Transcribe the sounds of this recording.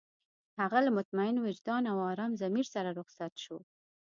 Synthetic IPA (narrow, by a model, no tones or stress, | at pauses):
haɣalamʊt̪maɪnowɪd͡ʒd̪ɑnawɑɾɑmzamiɾsaɾaɾʊɣsat̪ʃo